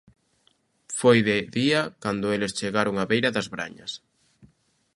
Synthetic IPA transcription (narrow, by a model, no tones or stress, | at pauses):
fojðɪðiakand̪ʊelest͡ʃeɣaɾoŋaβejɾɐðɐzβɾa̰ɲɐ̰s